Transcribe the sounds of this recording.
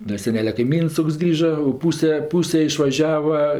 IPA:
dɐ ˈsʲæːnʲɛlʲɛ kɐɪˈmʲiːns ˈtoːks ˈɡrʲiːʒɐ oː ˈpuːsʲɛ ˈpuːsʲɛ ɪʃʋɐˈʒʲæːʋɐ

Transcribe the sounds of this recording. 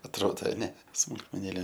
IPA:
ɐtˈroːdoː ɐˈnʲɛ smʊlˠkmʲɛˈnʲeːlʲeː

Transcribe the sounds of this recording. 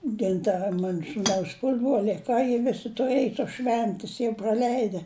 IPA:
tʲɛn ˈtɐ ˈmɑːnʊ suːˈnɐʊs ˈpʊzbroːlʲɛɪ ɐ ˈkɑː jiɛ ˈʋʲɪsʲɪ tʊˈrɘj toːs ˈʃʲʋʲɛnʲtʲɪs jɛʊ proːˈlʲɛɪdʲɛ

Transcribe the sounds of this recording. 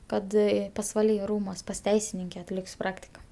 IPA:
ˈkɐt pɐsʋɐˈlʲiː ˈruːmuɔs pɐs ˈtʲɛɪsʲɪnʲɪŋʲkʲɛ ɐtʲˈlʲɪkʲsʲ ˈprɑːktʲɪkɐ

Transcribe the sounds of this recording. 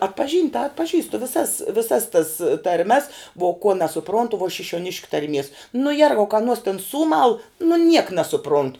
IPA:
ɐtpɐˈʒʲiːnʲtʲ tɐ ɐtpɐˈʒʲiːstʊ ʋʲɪˈsɐs ʋʲɪˈsɐs tɐs tɐrʲˈmʲɛs ʋuɔ koː nʲɛsʊˈproːntʊ ʋuɔ ʃʲɪʃʲuɔˈnʲɪʃʲkʲʊ tɐrʲˈmʲiɛs nʊ ˈjɛrɡɐʊ kɐ ɐˈnuɔs tʲɪn ˈsuːmɐlˠ nʊ nʲiɛk nʲɛsʊˈproːntʊ

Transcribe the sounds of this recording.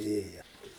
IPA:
ˈeːjɛ

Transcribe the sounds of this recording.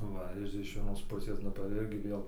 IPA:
ˈʋɐ ɪr ɪʃ ʋʲiɛˈnoːs ˈpʊsʲeːs ˈnʊ tɐɪ ˈɪrʲɡʲɪ ˈʋʲeːlˠ

